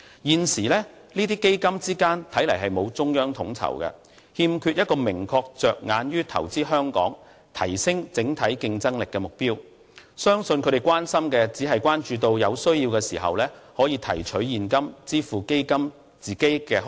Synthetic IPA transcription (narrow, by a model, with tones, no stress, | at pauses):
jiː˨nsiː˨˩lɛː˥ | liː˥t̪iː˥ke˥jkɐ˥mt͡siː˥kaː˥nt̪ʰɐ˨˥jlɐ˨˩jɦɐ˨jmo˨˧wt͡sʊ˥ŋjœː˥ŋt̪ʰʊ̰˨˥ŋt͡sʰɐ̰˨˩wkɛ̰˧ | hiː˧mkʰyː˧t̚jɐ˥t̚kɔː˧mɪ˨˩ŋkʰɔː˧k̚t͡ʃœː˨k̚ŋaː˨˧njyː˥t̪ʰɐ̰˨˩wt͡siː˥ɦœː˥ŋkɔ̰ː˨˥ŋ | t̪ʰɐ̰˨˩jsɪ˥ŋt͡sɪ˨˥ŋt̪ʰɐ˨˥jkɪ˧ŋt͡sɐ˥ŋlɪ˨kːɛ˧mʊ˨k̚piː˥w | sœː˥ŋsɵ˧nkʰɵ˨˧ɾe˨jkwaː˥nsɐ˥mkɛː˧t͡siː˨˥ɦɐ˨jkʷwaː˥nt͡ʃyː˨˧t̪o˧wjɐ˨˧wsɵ˥ɥjiː˧wkɛ˧siː˨˩ɦɐ̰˨wlɛː˥hɔː˨˥jiː˧t̪ʰɐ˨˩jt͡ʃʰɵ˨˥ɥjiː˨nkɐ˥mt͡siː˥fuː˨˩ke˥jkɐ˥m | t͡siː˨ke˥jkɛː˧